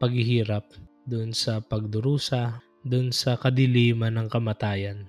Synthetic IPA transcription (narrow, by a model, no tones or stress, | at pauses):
pɐɡhɪɦiːɾɐp̚ | d̪ʊnsɐpɐɡ̚d̪ʊɾuːsɐ | d̪ʊnsɐkɐd̪ɪliːmɐnɐŋkɐmɐt̪aːjɐn